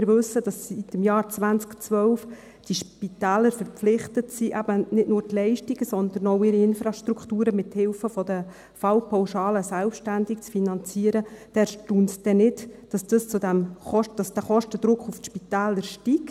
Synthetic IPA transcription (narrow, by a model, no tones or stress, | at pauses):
ɪɾʋɵsːəd̥ɑsːitɪmjɑːɾt͡sʋænt͡skt͡sʋœʊf | d̥iʃpit̪æːləɾfəɾpflɪχt̪ətsiʔæb̥ənɪdnʊːɾtlɛɪʃtiɡəsɔnd̪əɾnɔʊɪɾiɪnfɾɑʃtɾukχtuːɾəmɪthɪlfəfɔd̪ə | fɑlpʰɑwʃɑːləsælpʃtændikt͡sfinɑnt͡siəɾəd̥ɛɾʃtuːntd̥ɛnɪtd̥ɑsd̥əst͡sud̪æmχɔʃd̥ɑsd̥æχɔʃtəd̥̪ɾʊkχufʃpit̪æːləɾʃtik